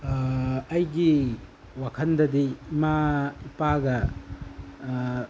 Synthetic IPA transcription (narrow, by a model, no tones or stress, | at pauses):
ɐjɡi | wakʰɐndɐdiːmaipaɡɐ